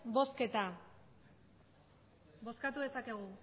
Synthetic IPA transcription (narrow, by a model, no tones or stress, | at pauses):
bo̞ske̞t̪a | bo̞skat̪uðesake̞ɣ̞u